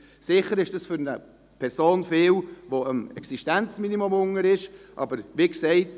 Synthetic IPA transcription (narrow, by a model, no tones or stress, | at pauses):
sɪχəɾɪʃd̥ɑsfʏɾnə | pʰɛɾsoːnfɪːlʋoəmɛ̰ksiʃtænt͡sminimomʊŋəɾɪʃʔɑ̰bəɾʋiːksɛɪt